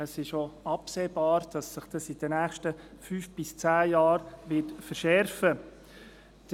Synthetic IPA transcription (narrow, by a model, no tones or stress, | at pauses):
əsɪʃoɑpseːbɑːɾd̥ɑsːɪχd̥ɑsid̥ənæːχʃtəfyːfb̥ɪst͡sæːjɑːɾʋɪtfəɾʃɛɾfə | d̥